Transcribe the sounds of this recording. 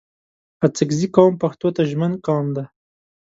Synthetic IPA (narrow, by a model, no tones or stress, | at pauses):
at͡səkzikɑwmpaxt̪ot̪aʒmənkɑmd̪a